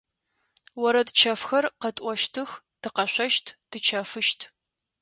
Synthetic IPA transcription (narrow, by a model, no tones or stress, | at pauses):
wɔɾɐtt͡ʃʰɐfxɐrqɐtʼʷɔʃtʰɨx | tʰɨqɐɕʷɐʃtʰd̥ɨt͡ʃʰɐfɨʃtʰ